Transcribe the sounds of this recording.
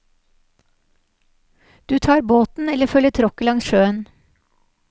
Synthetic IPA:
d̪̥ʉːt̪ʰɑːɾboːt̪n̩ɛləfœləʈ̪ʰɾɔkəlɑŋsʃøːən

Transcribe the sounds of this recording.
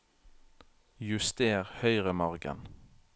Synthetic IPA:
jʉst̪eːʁhœʏʁəmɑʁɡə̰n

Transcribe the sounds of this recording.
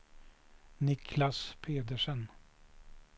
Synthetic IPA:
nɪkʰlaspʰeːd̪əʂən

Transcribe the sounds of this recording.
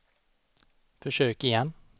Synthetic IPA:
fɔʂøːkɪjɛnː

